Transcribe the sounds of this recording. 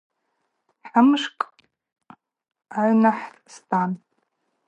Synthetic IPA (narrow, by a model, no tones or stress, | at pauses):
ħamɨʂkʼ | aʕʷnaħtʼstʰʼan